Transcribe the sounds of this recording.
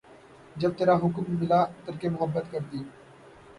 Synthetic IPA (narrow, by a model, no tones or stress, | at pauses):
d͡ʒɐb̚t̪eːɾaɦʊkʊmːɪlaːt̪əɾkemʊɦəbːət̪kəɾt̪iː